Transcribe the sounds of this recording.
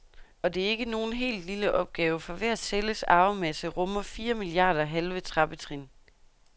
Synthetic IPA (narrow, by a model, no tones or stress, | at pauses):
ɒ̽d̥e̝æɐe̝ɡ̥əno̝ːn̩ɦe̝̰ːld̥liləʔɒ̽b̥̚ɡ̥ɛːʊəfɒ̽ʋeæseləsɑ̈ːʊmæsəʁɔ̽mɐfiːɐmiliɑ̰̈ːd̥ɐɦelʋət͡sʰʁɑ̈b̥ət͡sʰʁin